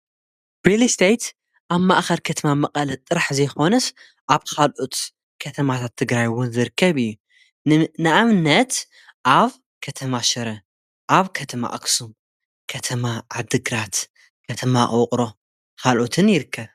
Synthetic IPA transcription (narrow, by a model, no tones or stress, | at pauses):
ɾilist̪ʰejt̪ | ʔaβma̰ʔxɐɾkʰɐt̪ʰɐmamɐqʼɐlɐt̪ʼːɨɾaħzɐjxo̞nɐs | ʔaβkʰalʔot̪ | kʰɐt̪ʰɐmat̪ʰat̪ʰːɨɡɾajwʊnzɨɾɨkːɐβɨjːu | nɨʔamnɐt̪ | ʔaβ | kʰɐt̪ʰɐmaʃɐɾɐ | ʔaβkʰɐt̪ʰɐma̰ʔɐ̰ksum | kʰɐt̪ʰɐmaʕad̪ɨɡɾat̪ | kʰɐt̪ʰɐmaʔʼqʼɾo̞ | kʰalʔot̪ʰɨnjɪɾɨkʰːɐβ